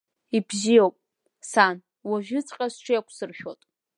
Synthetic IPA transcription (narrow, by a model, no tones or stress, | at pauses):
ibzijowpʼ | san | waʒᶣɪt͡sʼqʲʼasʈ͡ʂʷʰɪjakʷʰsɨrʃʲᶣotʼ